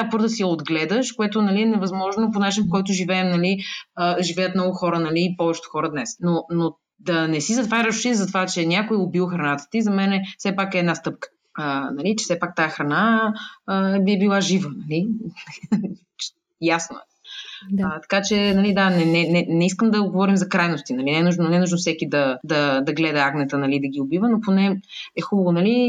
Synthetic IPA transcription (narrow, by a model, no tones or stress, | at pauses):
apɤɾzəsijɐod̪ɡlɛd̪əʃkoɛt̪onɐliɛnɛvɐzmɔʒnoponat͡ʃinfkɔjt̪̬ʊʒivɛːmnɐliəʒivɛjət̪mnɔɡʊxɔɾənɐliːpɔvɛt͡ʃɛ̥t̪o̥xɔɾəd̪nɛsnono | d̪ɐnɛsizɐt̪vaɾʲəʃʃizɐt̪ovat͡ʃɛnʲjakojɛobiwˠxɾɐnat̪ə̥t̪izɐmɛnɛfsɛpakɛːd̪nast̪ɤp̚kə̥ | ənɐlit͡ʃɛ̥sɛpak̚t̪aɛxɾɐna | ɛbiɛbilˠaʒivənɐli | t͡ʃ | jasnoɛ | t̪ɐ̥kat͡ʃɛnɐlid̪anɛnɛnɛnɛiskəmd̪ɐɡovɔɾimzɐkɾajnost̪inɐlinɛnuʒnonɛnuʒnofsɛkid̪ɐd̪ɐd̪ɐɡlɛd̪ɐaɡnɛt̪ənɐlid̪ɐɡ̟iʊbivənoponɛɛxubəvonɐli